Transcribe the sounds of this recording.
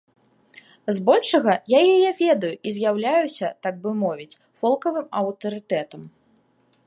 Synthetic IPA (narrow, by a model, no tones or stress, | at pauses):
zbɔlʲʂɐɣɐjajajɛvʲɛd̪ɐjuʔizʲjawlʲajusʲɐt̪aɡ̚bɨmɔvʲit͡sʲ | fɔlˠkɐvɨmɐwt̪ɐɾɨt̪ɛt̪ɐm